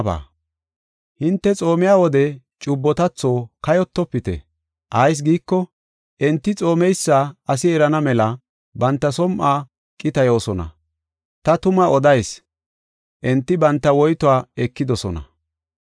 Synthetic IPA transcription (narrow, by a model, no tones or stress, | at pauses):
ba̰ː | hɪnt̪ːɛt͡sʼo̞ːmɪjaːwɔd̪ɛ | t͡ʃʼʊbːɔt̪ɐt͡sːo̞ːkɐjɔt̪ːɔpːɪt̪ɛ̰ | ʔɐjs̬ɡiːkːɔ | ʔɛnt̪ːɪt͡sʼo̞ːmɛjsːaːɐsɪɛɾɐnɐmɛlɐ | bɐnt̪ːɐsɔmʔaː | kʼːɪt̪ɐjo̞ːsɔnɐ̰ | t̪ɐt̪ʊmɐɔd̪ɐjs | ʔɛnt̪ːɪbɐnt̪ːɐwɔjt̪ɔaːɛkːɪd̪ɔsɔnɐ̰